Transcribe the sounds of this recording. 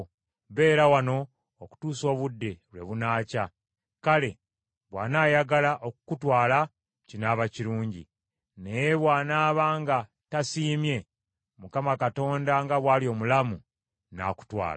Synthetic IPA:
βe̞ːɾawano̞ː | ku̥tuːso̞ːβudːe̞lwe̞̰βunaːca | kale̞ | βwaːnaːjaɡalaʔokukutwaːla | cinaːβaciɾuːɲɟḭ | ne̞jeβwaːnaːβaːŋɡa | tasiːmje̞ | mukamakato̞ːndaŋɡaβwaːlio̞ːmulamu | na̰ku̥twa̰ːl

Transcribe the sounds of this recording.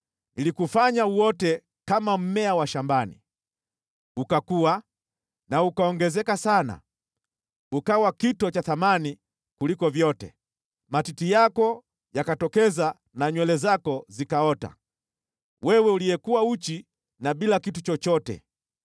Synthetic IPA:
ilikufaɲauwɔtɛ | kamam̩mɛawaʃambanḭ | ukakua | naukaɔŋɡɛzɛkasana̰ | ukawakitɔt͡ʃaθamani | kulikɔvjɔtɛ̰ | matitijakɔ | jakatɔkɛza | naɲwɛlɛzakɔzikaɔta̰ | wɛwɛuliɛkuwaut͡ʃi | naɓilakitut͡ʃɔt͡ʃɔtɛ̰

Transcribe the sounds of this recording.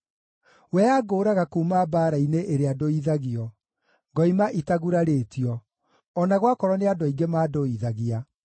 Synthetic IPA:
wɛaɡoːɾaɣakumabaːɾaineʔeɾeadoiðaɣiɔ | ŋɡɔimaʔitaɣuɾaɾetiɔ | ɔnaɣwakɔɾɔneadoiɡemaːdoiðaɣia

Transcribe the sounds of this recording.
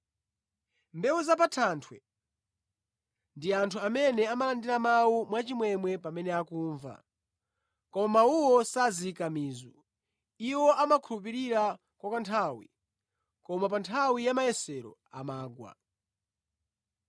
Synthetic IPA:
mbɛwuzap̬atʰantʰwɛ̰ | ndiantʰuamɛnɛamalandiɾamawumwat͡ʃimwɛmwɛpamɛnɛakuːɱva̰ | kɔmamauwɔsazikamiːzu | iwɔamakʰulupiɾiɾa | kwakantʰawḭ | kɔmapantʰawijamajɛsɛɾɔ̰a̰maːɡwa̰

